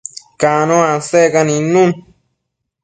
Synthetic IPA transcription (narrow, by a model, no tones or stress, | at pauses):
kanõãsekanĩnũn